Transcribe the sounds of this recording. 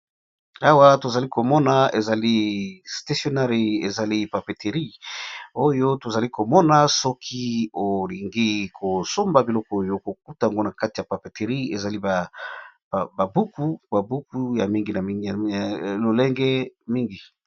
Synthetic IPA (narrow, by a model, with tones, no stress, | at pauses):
a˦wa˦to˨za˨li˦ko˨mɔ˦na˨e˨za˨li˦sta˦sjo˨na˦ʁi˨e˨za˨li˦pa˨pe˨te˨ʁi˦ | o˦jo˦to˨za˨li˦ko˨mɔ˦na˨sɔ˦kʰi˦o˨li˨ŋɡi˦kʰo˨so˦mba˨bi˨lɔ˦kɔ˦o˦jo˦ko˨k̚u˦tja˨ŋɡo˦na˨ka˦ti˨ja˨pa˨pe˨te˨ʁi˦e˨za˨li˦ba˨ | ba˨bu˦ku˦ba˨bu˦ku˦ja˨mi˦ŋɡi˨na˨lo˨lɛ˦ŋɡɛ˦mi˦ŋɡi˨